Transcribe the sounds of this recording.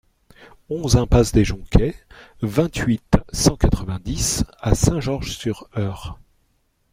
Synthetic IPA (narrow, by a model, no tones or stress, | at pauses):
ɔ̃zɛ̃pasd̪eʒɔ̃kʲʰɛvɛ̃t̪ɥit̪sɑ̃kat̪χəvɛ̃d̪isasɛ̃ʒɔʁʒsyʁœːʁ